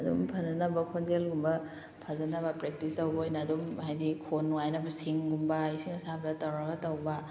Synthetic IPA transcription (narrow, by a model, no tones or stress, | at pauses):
ɐdṵmpʰɐnzɐnɐbɐkʰonzelɡumbɐ | pʰazɐnɐbɐpɾek̚tisɐwbojnɐːdumɦajdikʰonːuajnɐbɐsiŋɡumbɐisiŋɐsabdatawaɡɐtawba